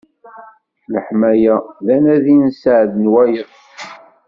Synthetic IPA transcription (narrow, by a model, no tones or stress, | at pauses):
ləħmæjæðænæðinsʕðnwæjə